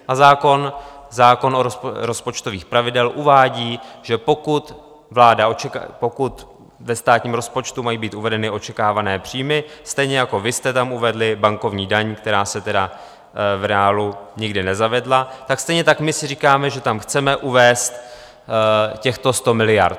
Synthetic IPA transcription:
ʔazaːko̞nzaːko̞noɾɾospo̞t͡ʃt̪oviːxpɾavɪdɛlʔuvaːɟiːʒ̥ɛpo̞kut̪ | vlaːdaot͡ʃɛ̰po̞kut̪ | vɛst̪aːt̪ɲiːmɾo̞spo̞t͡ʃt̪umajiːbiːt̪uvɛdɛnɪo̞t͡ʃɛkaːvanɛːpr̥iːmɪst̪ɛjɲɛjako̞vɪst̪ɛt̪amuvɛdlɪbaŋko̞vɲiːdaɲkt̪ɛɾaːsɛt̪ɛda | vɾɛaːluɲɪɡdɪnɛzavɛdlat̪akst̪ɛjɲɛt̪akmɪsɪriːkaːmɛʒɛt̪amxt͡sɛmɛʔuvɛːst̪ | cɛxt̪o̞st̪o̞mɪlɪja̰ɾt̪

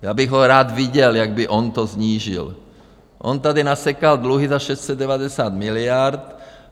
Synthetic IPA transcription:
jaːbiɣɦɔɾaːd̪viɟɛljaɡ̚biʔont̪ɔzɲiːʒḭl | ʔo̰nt̪ad̪inasɛkald̪luɦizaʃɛst̪sɛd̪dːɛvad̪ɛsaːd̪milɪaɾt̪

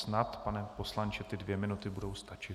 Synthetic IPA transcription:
snat̪panɛpo̞slant͡ʃɛt̪ɪdvjɛmɪnut̪ɪbudo̞wst̪at͡ʃɪt̪

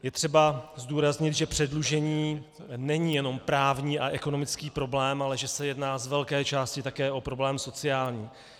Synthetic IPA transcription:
jɛt̪r̝̥ɛbazduːɾazɲɪt̪ʒɛpr̥ɛdluʒɛɲiː | nɛɲijɛno̞mpɾaːvɲiːʔaʔɛko̞no̞mɪt͡skiːpɾo̞blɛːmʔalɛʒɛsɛjɛdnaːzvɛlkɛːt͡ʃaːscɪt̪akɛːʔo̞pɾo̞blɛːmso̞t͡sɪjaːlɲiː

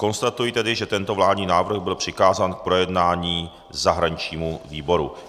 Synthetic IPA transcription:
ko̞nst̪at̪ujit̪ɛdɪʒɛt̪ɛnt̪o̞vlaːd̪ɲiːnaːvr̩ɣbɪlpr̝̥ɪkaːzaːnk̚pɾo̞jɛdnaːɲiː | zaɦɾaɲɪt͡ʃɲiːmuviːbo̞ɾṵ

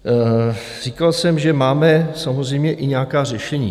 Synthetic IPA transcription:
r̥ikalsɛmʒɛmaːmɛsamozrɛjmɲɛʔɪɲɛakaːr̝ɛʃɛɲḭː

